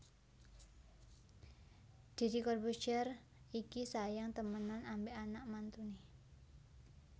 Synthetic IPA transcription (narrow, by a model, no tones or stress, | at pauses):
d̪̥i̤ɾikɔrbut͡ʃər | ikisajaŋt̪əmənanambeʔanaʔmant̪uni